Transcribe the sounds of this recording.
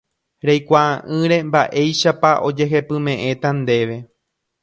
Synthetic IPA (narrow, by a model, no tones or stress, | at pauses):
ɾejkʷaʔãʔɨ̃ɾe̞mbaʔe̞jʃapaʔo̞d͡ʒe̞ɦe̞pɨ̃mẽ̞ʔẽ̞t̪and̪e̞ʋe̞